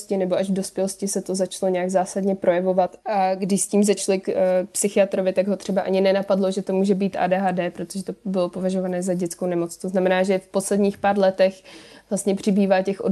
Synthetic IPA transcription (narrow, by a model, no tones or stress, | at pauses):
scɪnɛbo̞aʒvdo̞spjɛlo̞scɪsɛt̪o̞zat͡ʃlo̞ɲɛjaɡzaːsadɲɛpɾʔo̞jɛvo̞vat̪ʔaɡdɪʃsciːmzat͡ʃlɪkpsɪxɪat̪ɾo̞vɪt̪aɡɦo̞t̪r̥ɛbaʔaɲɪnɛnapadlo̞ʒɛt̪o̞muːʒɛbiːt̪ʔa̰ːdɛːɦaːdɛːpɾot̪oʒɛt̪o̞bɪlo̞po̞vaʒo̞vanɛːzaɟɛt͡skownɛmo̞t͡st̪oznamɛnaːʒɛfpo̞slɛdɲiːxpaːɾlɛt̪ɛxvlast̪ɲɛpr̝̥ɪbiːvaːcɛxʔo̰